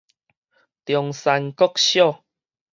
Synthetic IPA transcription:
t̪jɔ˨ŋsa˧nkɔ˦k̚ɕjɔ˥˨

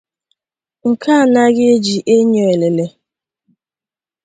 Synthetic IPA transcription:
ŋ̩˨kʰa˦a˨na˦ɣɪ˦e˦d͡ʒi˨ʔe˦ɲo˨e˨le˨le˨

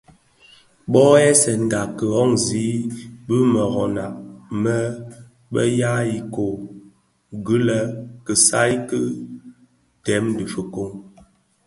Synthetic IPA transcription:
ɓɔ˦ɛ˦sɛ˨n̩˨da˨kə˨ɔ˦ŋzi˨˦bə˦mə˨ɣɔ˨na˨ʔmə˦ | ɓə̰˦ja˦i˨ko˨ | ɡə˦lə˨kə˨sa˦jkə˦ | tɛ˨˦m˦di˨fə˨ko˦ŋ

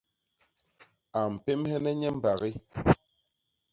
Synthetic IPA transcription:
a˨m̩˨pe˦mhɛ˦nɛ˦ɲɛ˦m̩˦˨ba˨ɣi˦

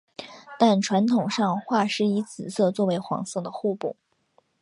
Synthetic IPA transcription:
t̪a˥˩nʈ͡ʂʰwa˧˥nt̪ʰʊ˨˩ŋʂɑ˥˧ŋxwa˥˩ʂɻ̩˥i˧˥t͡sɹ̩˨˩sɤ˥˧t͡swɔ˥˩we˧˥ɪxwɑ̰˧˥ŋsɤ˥˩ŋd̪ə˩xu˥˧pṵ˥˩

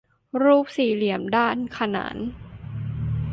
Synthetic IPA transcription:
ɾuː˥˩p̚siː˨˩li˩˦əmdaː˥˩nkʰa˧na̰ː˩˦n

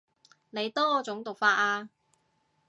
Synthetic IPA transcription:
ne˨˧jt̪ɔː˥t͡sʊ˨˥ŋt̪ʊ˨k̚faː˧t̚aː˧

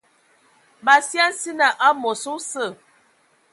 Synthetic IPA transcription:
ba˨sja˦n˦si˦na˨ʔa˦mo˨su˦sə˦˨

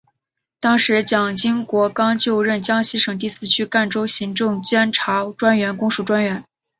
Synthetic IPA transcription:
t̪ɑ˥ŋʂɻ̩˧˥t͡ɕjɑ˨˩ŋt͡ɕi˥ŋkwɔ˧˥kɑ˥ŋt͡ɕjo˥˧ʊɻə˥˩nt͡ɕjɑ˥ŋɕi˥ʂɤ˨˩ŋt̪̬i˥˩sɹ̩˥˩t͡ɕʰy˥ka˥˩nʈ͡ʂo˥ʊɕi˧˥ŋʈ͡ʂʊ˥˩ŋt͡ɕjɛ˥nʈ͡ʂʰa˧˥ʈ͡ʂwa˥nɥɛ˧˥nkʊ˥ŋʂu˥˩ʈ͡ʂwa˥nɥɛ˧˥n

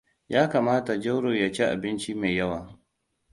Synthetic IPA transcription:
jaː˦kaː˨maː˦ta˨d͡ʒɐ˦wɽoː˨ja˨t͡ʃe˦ʔa̰˨bɪ˦nt͡ʃi˦ma˨jɐ˦waː˨

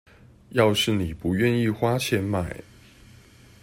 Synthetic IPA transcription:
jɑ˥˧ʊʂɻ̩˥˩ni˨˩pu˨˦ɥɛ˥˨ni˥˨xwa˥t͡ɕʰjɛ˥˧nma˥˩ɪ

